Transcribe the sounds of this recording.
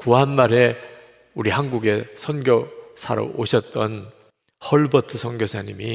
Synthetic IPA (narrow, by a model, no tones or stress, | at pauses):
kuɦanmaɾe̞ | uɾihanɡuɡe̞sʰʌnɡjʌsʰa̰ɾo̰oɕʰʌt̚t͈ʌn | hʌɭbʌtʰɯsʰʌnɡjosʰaɲimi